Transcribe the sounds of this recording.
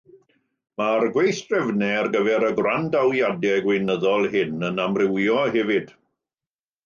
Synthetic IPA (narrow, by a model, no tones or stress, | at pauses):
marɡwejθtrɛvnɛrɡəvɛɾəɡwrandawjadɛɡwejnəðɔlˠɦɪnənamrɪwjɔɦɛvɨd̥